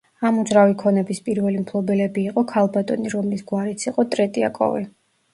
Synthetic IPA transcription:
amud̪zɾavikʰɔnɛbispʼiɾvɛlimpʰlˠɔbɛlɛbiːqʼɔkʰalˠbat̪ʼɔniɾɔmlisɡwaɾit̪sʰiqʼɔt̪ʼɾɛt̪ʼia̰kʼɔ̰vḭ

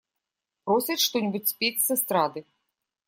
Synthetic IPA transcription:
pɾɔsʲɐʂt̪ɔnʲibut͡sʲsʲpʲit͡sʲsɨst̪ɾad̪ɨ

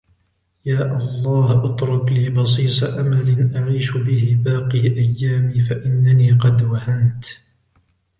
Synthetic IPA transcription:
jaːʔɑlˤːɑːhʔɑt̪ˤɾˤɑkliːbɑs̬ˤiːt̪ˤɑʔamalɪnʔaʕiːʃʊbɪhɪbaːqiːʔajːaːmiːfaʔɪnːaniːqɑd̪wahant̪

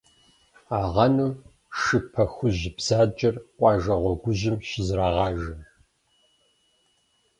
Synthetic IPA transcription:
aːʁɐnuː | ʃɨpʰɐxʷʊʑɪbz̥aːt͡ʃʼɐrqʷʼɑːʒɐʁʷɔɡʷʊʑɪmɕɪzraːʁɑːʒɐm

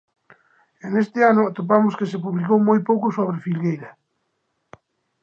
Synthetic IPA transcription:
enest̪ɪanʊt̪op̬amʊskesepuβlikowmojpowkʊsoβ̞ɾefilɣejɾa

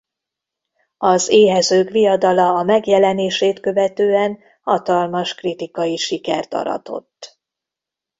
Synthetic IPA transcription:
ɒzeːɦɛzøːkʋijɒd̪ɒlɒːmɛɡjɛlɛneːʃeːt̪kø̞vɛt̪øːɛn | hɒt̪ɒlmɒʃkrit̪ikɒjiʃikɛrt̪ɒ̰ɾɒ̰t̪o̞̰t̪ː

